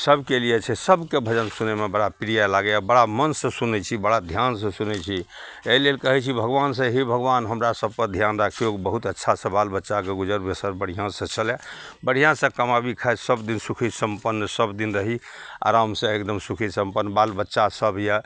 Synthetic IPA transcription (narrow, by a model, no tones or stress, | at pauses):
səbkelijet͡ʃʰɛsəbkebʱəd͡ʒənsunemebəɽapiɾijalaɡeabəɽamənsə̃sunɛt͡ʃʰibəɽad̪ʱjans̬ə̃sunɛt͡ʃʰi | elelkəɦɛt͡ʃʰibʱəɡbansə̃ɦibʱəɡbanɦəmɾasəb̚ʱkəd̪ʱjanɾakʰijokbəɦut̪ətːʃʰasə̃balbətːʃakeɡud͡ʒəɾbesəɾbəɽ̤ijãsə̃t͡ʃʰəle | bəɽ̤ijãsə̃kəmabikʰasəbd̪insukʰisəmpənːsəbd̪inɾəɦi | a̰ɾamsə̃ekd̪əmsukʰisəmpənːbalbətːʃasəbjə